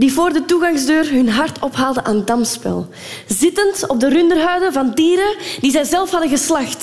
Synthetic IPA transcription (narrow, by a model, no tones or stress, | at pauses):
divoːrdətuɣɑŋzdøːrɦɵnɦɑrtɔpɦaːlˠdəʔaːndɑmspɛ̰lˠ | zɪtəntɔb̚dərʏndərɦœɥdəvɑndiːɾədizɛjzɛlˠfhɑdəɣəslɑxt